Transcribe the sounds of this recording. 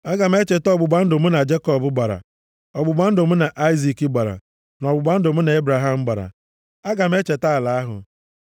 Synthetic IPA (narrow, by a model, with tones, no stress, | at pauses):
a˦ɡa˨m˦e˦t͡ʃe˨tɔ˦bʊ˨ɡ͡ba˦n̩˦do˨m̩˦na˨d͡ʒe˦kɔ˨bʊ˨ɡ͡ba˨ɾa̰˨ | ɔ˨ɡ͡bʊ˨ɡ͡ba˦n̩˦do˨mʊ˦na˨ʔa˦i˦zi˨ki˦ɡ͡ba˨ɾa̰˨ | n˨ɔ˨bʊ˨ɡ͡ba˦n̩˦do˨m̩˦na˨e˦bɾa˨ɦa˨m̩˦ɡ͡ba˨ɾa̰˨ | a˦ɡa˨m̩˦e˦t͡ʃe˨ta˦a˨la˨a˦ɦʊ̰˨